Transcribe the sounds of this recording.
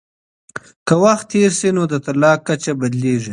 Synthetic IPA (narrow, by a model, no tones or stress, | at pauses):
kəwaxt̪ʰːeɾsinod̪ət̪alɑːkːat͡ʃabad̪leːʐi